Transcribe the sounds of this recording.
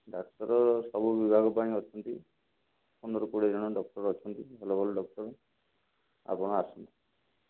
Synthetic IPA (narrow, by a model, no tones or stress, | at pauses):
ɖakʈɔɾɔsɔbubibʱaɡɔpaɽ̃ĩɔt͡ʃʰɔnt̪i | pɔnɔɾɔkuɽed͡ʒɔɽ̃ɔɖɔk̚ʈɔɾɔt͡ʃʰɔnt̪iɦɔlɔbɔlɖɔk̚ʈɔɾɔ | a̰pɔɽ̃ɔasɔnt̪i